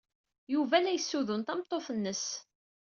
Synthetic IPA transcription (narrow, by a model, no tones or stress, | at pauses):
juvælæjəsːuðʊnt̪ɑmt̪ˤːoθənːəs